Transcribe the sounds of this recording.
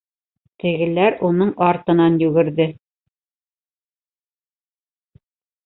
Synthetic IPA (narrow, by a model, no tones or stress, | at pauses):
t̪ɘ̆ɡɘ̆læɾunɤɴɑɾt̪ɤ̆nɑnjʉɡɘ̆ɾðɘ